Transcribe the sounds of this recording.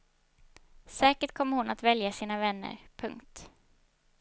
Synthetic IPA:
sɛːkəʈkʰɔmːəɾhʊnat̪vɛljasiːnavɛnːə̰ɾpʰɵ̰ŋkt̪

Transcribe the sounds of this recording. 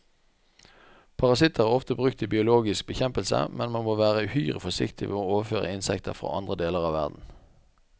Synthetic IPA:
pʰɑʁɑsɪt̪ʰəʁæːʁɔft̪əbʁʉk̚t̪ʰɪbɪʊloːɡɪsk̚bəçɛmpəlsə̰mʔɛnmɑnmoːʋæːʁəhyːʁə̰fɔsɪ̰kt̪ʰɪʋḛːoːoːʋəføːʁə̰ɪnsɛkt̪əfʁo̰ːʔɑ̰nd̪ʁəd̪eːləʁɑːʋæ̰ʁd̪n̩

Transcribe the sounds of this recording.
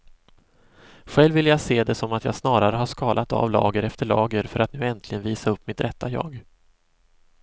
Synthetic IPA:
ɧɛlvɪljaɡseːd̪ɛsɔmat̪jɑ̰ːɡsnɑːɾaɾəɦaʂkɑːlʔat̪a̰vlɑ̰ːɡəɾɛft̪əɭɑ̰ːɡəɾfœɾat̪nʉ̟ːɛnt̪ʰlɪɡənviːsaɵpːmɪt̪ɾɛt̪ʰːajɑ̰ːɡ

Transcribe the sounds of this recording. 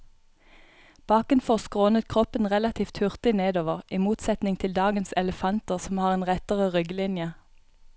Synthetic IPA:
b̥ɑːkənfɔʁskʁoːnət̪kʰʁɔpənʁɛlɑt̪ʰiːft̪hʉʁt̪ɪneːd̪oːʋəʁʔiːmuːt̪sɛt̪nɪŋt̪ʰɪld̪ɑːɡənsɛləfɑnt̪əʁsɔmhɑːʁeːnʁɛt̪əʁəʁʏɡlɪnjə

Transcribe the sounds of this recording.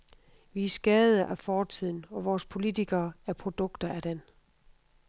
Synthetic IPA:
ʋisɡ̥ɛð̩ˠɐʔæfɒːt͡sʰið̰ˠn̩ɒ̽ʋɒːspʰo̝lit͡sʰiɡ̥ɐːæɐpʰʁo̝d̥ɔ̽ɡ̥d̥ɐæd̥en

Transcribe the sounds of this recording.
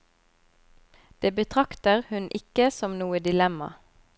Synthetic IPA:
d̪̥eːbət̪ʰʁɑkt̪əʁhʉnʔɪkəsɔmnuːəd̪ɪlɛmɑ̰

